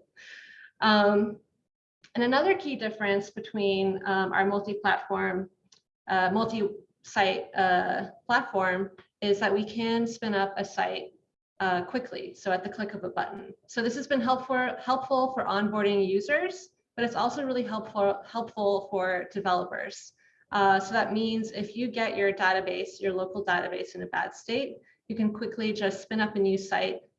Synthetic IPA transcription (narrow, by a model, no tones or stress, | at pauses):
ʔʌ̃m | ɨ̃nɨnʌðə˞kʰidɪfɹɨ̃nsb̥ɨtʰw̥ĩnʌ̃mʔa̰ʊə˞mʌlˠtipʰl̥ætfɔɹm | ʔʌmʌlˠti | saɪt̚ʌpʰl̥ætfɔɹm | ɪzðɨʔ̚wikʰɨ̃nspɪ̃nʌpɨsaɪt̚ | ʌkʰw̥ɪkʰlḭsoʊɨt̪̚ðɨkʰl̥ɪkʌvəbʌ̰ʔn̩soʊðɪshɨzbɨ̃nɦɛlˠpf̩hɛlˠpfl̩ˠfə˞ʔɑ̃nbɔɹɾɪ̃ŋjʉzə˞z̥ | b̥ʌɾɨtsɔlˠsoʊɹɪlˠiɦɛlˠpfhɛlˠpfl̩ˠfə˞dɨvɛlˠəpə̰˞z̥ | ʔʌsoʊðɨt̚mĩnzɪfjɨɡɛt͡ʃə˞deɪɾɨbeɪsjə˞loʊkl̩ˠdeɪɾɨbeɪsɨ̃nɨbæ̰d̥steɪʔ̚ | jɨkɨ̃nkʰw̥ɪklid͡ʒʌstspɪ̃ñʌpɨnjʉsa̰ɪt̚